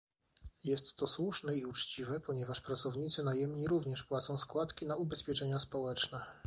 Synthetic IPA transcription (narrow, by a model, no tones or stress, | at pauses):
jɛst̪ːɔswuʂnɛiut͡ʂt͡ɕivɛpɔɲɛvaʂpɾat̪sɔvɲit̪sɘnajɛmɲiɾuvɲɛʂpwat̪sɔ̃w̃skwat̪kʲinaubɛspʲjɛt͡ʂɛɲaspɔwɛt͡ʂnɛ